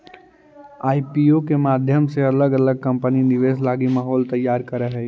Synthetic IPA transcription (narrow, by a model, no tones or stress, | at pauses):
aːipiokemaːd̪ʱjəmseɐləɡɐləɡ̚kɐ̃mpəninɪʋeːslaːɡimaːɦɔːlt̪əjːaːɾkəɾəɦɛː